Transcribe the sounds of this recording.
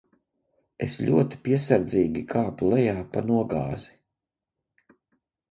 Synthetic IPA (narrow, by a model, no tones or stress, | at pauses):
ḛslʲuɔt̪i̥pʲiɛsaɾd̪ziːɡʲikʰaːpulɛjaːpanuɔɡa̰ːzi